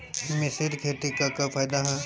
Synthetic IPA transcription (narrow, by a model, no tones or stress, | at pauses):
mɪsɪɾkʰeʈ̪ikakapʰaːjd̪aɦɛ̃